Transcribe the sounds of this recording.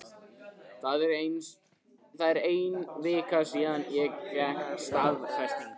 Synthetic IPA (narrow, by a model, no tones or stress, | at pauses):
θaðɛɾejn | θaðɛɾejnvɪːkasiːðanjɛɣjajsvaðfajst̪ɪn